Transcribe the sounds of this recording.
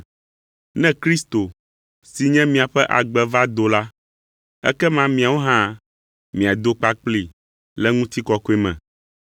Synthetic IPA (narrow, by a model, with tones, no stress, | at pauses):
nɛ̃˦kɾi˦st̪o˨ | si˨ɲɛ̃˦mĩ˨a˨ɸɛ˦ʔa˨ɡ͡bɛ˨va˦d̪o˨la˦ | ɛ̰˦kɛ˦mã˦mĩ˨a˨wo˦ɦã˦ | mĩ˨a˨d̪o˦k͡pa˦k͡pli˨ | lɛ˦ŋũ˦t̪i˦kɔ˦ko˦ɛ˦mɛ̰̃˨